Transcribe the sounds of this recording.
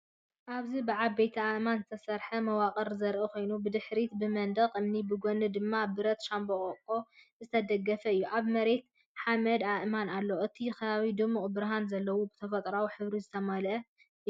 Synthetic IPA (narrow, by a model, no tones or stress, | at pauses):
ʔaβzibɨʕaβːe̞jt̪ʰiaʔmanzɨt̪ʰɐsɐɾħɐmɐwaqʼɐɾzɐɾʔɨkʰo̞jnubɨd̪ɨħɾit̪bɨmɐnd̪ɐqʼɨmnibɨɡonɨd̪ɨmːabɨɾɐt̪ʃambokʼɐkʼːo̞ | zɨt̪ʰɐd̪ɐɡːɐfɐɨjːuʔaβmɐɾe̞t̪ | ħamɐd̪aʔmanalːoʔɨt̪ʰikʰɐβaβid̪ɨmuʔʼbɨɾaɦanzɐlːɐwubɨt̪ʰɐfɐt̪ʼɾawħɨβɾizɨt̪ʰɐmɐlʔɐ